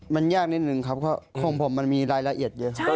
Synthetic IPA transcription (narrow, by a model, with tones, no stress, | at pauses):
ma˧njaː˥˩k̚ni˦˥t̪̚nɯ˨˩ŋkʰa˦˥p̚kʰɔ˧˥˩kʰo˧ŋpʰo˩˦mːa˧nmiː˧ɾaː˧jla˧ʔi˨˩ət̪̚jɤ˧˨